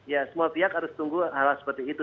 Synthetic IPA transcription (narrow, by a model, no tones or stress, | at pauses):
jasəmuapiakhaɾʊst̪uŋɡuɦalasə̥pərt̪iːt̪u